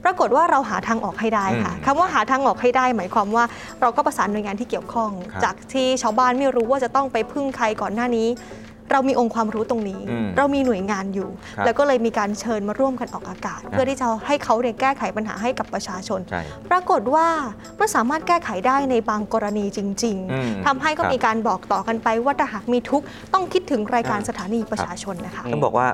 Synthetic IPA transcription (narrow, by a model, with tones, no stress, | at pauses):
pɾa˧ko˨˩t̪̚waː˥˩ɾa˧wɦaː˩˦t̪ʰaː˧ŋʔɔː˨˩k̚ha˥˩jdaː˥˩jkʰa̰˥˩kʰa˧mwaː˥˩ɦaː˨˩˦t̪ʰaː˧ŋʔɔː˨˩k̚ha˥˩jdaː˥˩jmaː˩˦jkʰwaː˧mwaː˥˩ | ɾa˧wkɔː˥˩pɾa˧saː˩˦nː˨˩əjŋa˧nt̪ʰiː˥˩ki˨˩əwkʰɔ˥˩ŋt͡ɕaː˨˩k̚t̪ʰiː˥˩t͡ɕʰaː˧wbaː˥˩nma˥˩jɾuː˦˥waː˥˩t͡ɕa˨˩t̪ɔ˥˩ŋpa˧jpʰɯ˥˩ŋkʰa˧jkɔː˨˩nːaː˥˩niː˦˥ | ɾa˧wmiː˧ʔo˧ŋkʰwaː˧mɾuː˦˥t̪o˧ŋniː˦˥ɾa˧wmiː˧nu˨˩əjŋaː˧njuː˨˩ | lɛː˦˥wkɔː˥˩lɤː˧jmiː˧kaː˧nt͡ɕʰɤː˧nmaː˧ɾu˥˩əmka˧nʔɔː˨˩k̚ʔaː˧kaː˨˩t̪̚pʰɯ˥˩t̪ʰiː˥˩t͡ɕa˨˩ha˥˩jkʰa˦˥wni˥˩əkɛː˥˩kʰa˨˦jpa˧nɦa̰ː˩˦ɦa˥˩jka˨˩pːɾa˧t͡ɕʰaː˧t͡ɕʰo˧npɾa˧ko˨˩t̪̚waː˥˩ | ma˥˩nsaː˩˦maː˥˩t̪̚kɛː˥˩kʰa˩˦jdaː˥˩jna˧jbaː˧ŋkɔː˧ɾa˧niː˧t͡ɕi˧ŋt͡ɕi˧ŋt̪ʰa˧mɦa˥˩jkɔː˥˩miː˧kaː˧nbɔː˨˩k̚t̪ɔː˨˩ka˧npa˧jwaː˥˩t̪ʰaː˥˩ɦaː˨˩k̚miː˧t̪ʰu˦˥k̚ | t̪ɔ˥˩ŋkʰi˦˥t̪ʰːɯ˩˦ŋɾaː˧jkaː˧nsa˧t̪ʰaː˨˦niː˧pɾa˧t͡ɕʰaː˧t͡ɕʰo˧nːa˦˥kʰa˦˥ʔʰa˥˩bɔ̰ː˨˩wa̰ː˥˩